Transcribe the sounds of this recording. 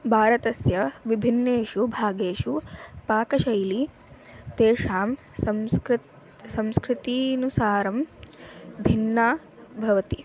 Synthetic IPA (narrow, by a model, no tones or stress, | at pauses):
bʱaːɾɐt̪ɐsjɐʋibʱinːeːʃubʱaːɡeːʃupaːkɐʃɐjli | t̪eːʃaːm | sɐmskɾt̪ | sɐ̃mskɾɪt̪iːnusaːɾɐm | bʱinːaː | bʱɐʋɐt̪i